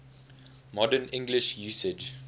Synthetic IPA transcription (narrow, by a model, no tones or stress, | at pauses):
mɔdənɪ̃ŋɡlɪʃjuːsɪd͡ʒ